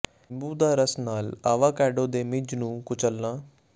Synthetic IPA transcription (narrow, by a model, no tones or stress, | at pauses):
mbuːd̪aːɾəsnaːlaːʋaːkɛːɖõːd̪eːmɪd͡ʒnũːkʊt͡ʃəlːaː